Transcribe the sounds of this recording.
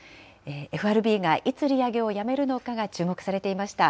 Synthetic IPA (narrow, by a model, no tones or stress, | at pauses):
eːeɸɯ̟aɾɯ̟bʲiːɡaʔit͡sɨɾʲiaɡe̞o̞jame̞ɾɯ̟no̞kaɡat͡ɕɨːmo̞kɯ̟̥saɾe̞t̪e̞imaɕi̥t̪a